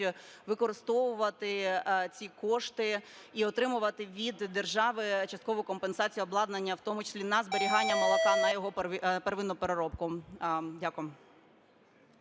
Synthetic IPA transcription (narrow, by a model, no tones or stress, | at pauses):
ʋɪkɔɾɪst̪ɔʋʊʋɐt̪ɪt͡sʲikɔʃt̪ɪ | iɔt̪ɾɪmʊʋɐt̪ɪʋʲid̪ːe̞rʒɑʋɪt͡ʃɐst̪kɔʋʊjkɔmpensɑt͡sʲijɔblˠɑd̪nɐnʲːɐwt̪ɔmʊt͡ʃɪ̥sʲlʲinɐzbeɾʲiɦɑnʲːɐmɔlˠɔkɑnɐjɔɦɔpeɾʋɪnɔpeɾeɾɔpkʊdʲakʊjm